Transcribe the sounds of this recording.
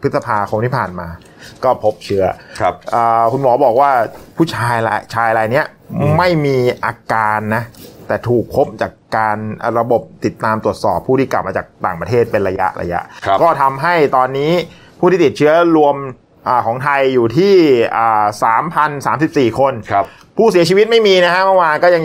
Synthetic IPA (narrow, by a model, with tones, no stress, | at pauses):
pʰɯ˦˥t̪̚sa˧pʰaː˧kʰo˧nt̪ʰiː˥˩pʰaː˨˩nmaː˧ | kɔː˥˩pʰo˦˥p̚t͡ɕʰɯ˦˥ɐʔəː˨˩kʰu˧nmɔː˩˦bɔː˨˩k̚waː˥˩pʰuː˥˩t͡ɕʰaː˧ja˧t͡ɕʰaː˧jla˧jni˦˥ɐ | ma˥˩jmiː˧ʔaː˧kaː˧nːa˦˥t̪ɛː˨˩t̪ʰuː˨˩k̚pʰo˦˥p̚t͡ɕaː˨˩kːaː˧n̰˨˩ɾa˧bo˨˩p̚t̪i˨˩t̪ːaː˧mt̪u˨˩ət̪̚sɔː˨˩pʰːuː˥˩t̪ʰiː˥˩kla̰˨˩p̚maː˧t͡ɕaː˨˩k̚t̪a̰ː˨˩ŋpɾa˧t̪ʰeː˥˩t̪̚pe˧nɾa˧ja̰˦˥ʔɾa̰˧ja̰˦˥ʔkɔː˥˩t̪ʰa˧mɦa˥˩jt̪ɔː˧nːiː˦˥ | pʰuː˥˩t̪ʰiː˥˩t̪i˨˩t̪̚t͡ɕʰɯ˦˥ɐɾu˧əm | ʔaː˨˩kʰɔː˩˦ŋt̪ʰa˧jːuː˨˩t̪ʰiː˥˩ʔəː˨˩saː˩˦mpʰa˧nsaː˩˦msi˨˩p̚siː˨˩kʰo˧n˧ | pʰuː˥˩si˨˩˦t͡ɕʰi˧wi˦˥t̪̚ma˥˩jmiː˧na˦˥kʰa˦˥mə˥˩waː˧kɔː˥˩ja˧ŋ